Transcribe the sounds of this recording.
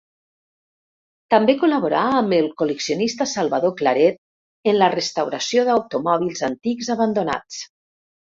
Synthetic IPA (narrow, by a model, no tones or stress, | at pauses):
t̪ambekulaβoɾaːməlˠkuləksionist̪asalˠβaðoklaɾɛt̪̚ | ənlərəst̪awɾasjoðawt̪umɔβ̞ilˠzant̪iɡzaβand̪ona̰t͡s